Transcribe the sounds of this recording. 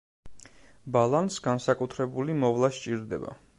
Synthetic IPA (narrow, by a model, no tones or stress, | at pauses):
balˠansɡansakʼut̪ʰɾɛbulimɔvlˠaʃt͡ʃʼiɾd̪ɛ̰ba̰